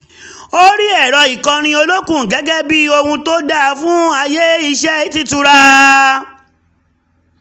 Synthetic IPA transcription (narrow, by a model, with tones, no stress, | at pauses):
o˦ɾi˦ɛ˦˨ɾɔ˧i˨kã˧ñĩ˧o˧lo˦kũ˦˨ɡɛ˨˦ɡɛ˦bi˦o˧hũ˧to˦da˦˨˦fũ˦a˧je˦i˧ʃɛ˦i˦ti˦tu˧ɾa˦